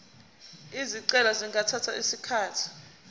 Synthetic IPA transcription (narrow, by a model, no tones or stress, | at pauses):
iziǀɛlaziŋɡʱatʰatʰa̰ʔisikʰaːtʰi̥